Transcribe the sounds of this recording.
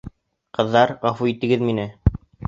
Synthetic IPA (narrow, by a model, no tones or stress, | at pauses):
qɤ̆ðːɑɾʁɑfuit̪ɘ̆ɡɘðminɘ